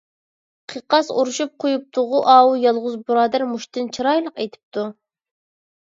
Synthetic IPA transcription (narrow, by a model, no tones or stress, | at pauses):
qʰəqɑsoɾuʃup̚qʰojup̚t̪ʰʊʁʊʔɑːujɑlˠʁʊzbuɾɑːd̪æɾmuʃt̪ɨnt͡ʃʰɨɾɑjlˠəqejt̪ʰɪ̥p̚t̪ʰu